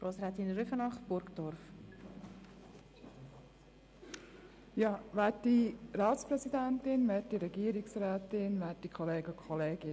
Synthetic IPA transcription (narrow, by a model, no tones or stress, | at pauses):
ɾʔoːsɾɛːt̪inɾyfənɑχb̥ʊɾkd̥̪ɔɾf | jɑːʋæːtdiɾɑːt̪spɾɛsid̪ænt̪ɪnʋɛːtdiɾɛɡiːəɾɪksɾæːt̪ɪnʋɛːt̚dikʰɔleːɡəkʰχɔleːɡɪ